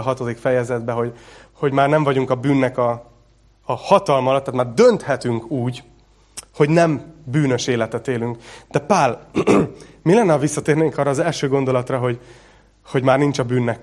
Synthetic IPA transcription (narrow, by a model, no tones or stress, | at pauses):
ɒɦɒt̪od̪ikfɛjɛzɛd̪bɛɦo̞ɟho̞ɟmaːrnɛɱvɒɟuŋkɒbyːnːɛkɒː | hɒt̪ɒlmɒlɒt̪ːaːt̪maːrd̪ønt̪hɛt̪yŋkuːɟ | ho̞ɟnɛmbyːnø̞ʃeːlɛt̪ɛt̪eːlyŋkd̪̥ɛpaːl | milɛnːɛɒvisːɒt̪eːrneːŋkɒːrːɒːzɛlʃøːɡo̞nd̪o̞lɒt̪rɒɦo̞ɟ | ho̞ɟmaːrnint͡ʃɒbyːnːɛk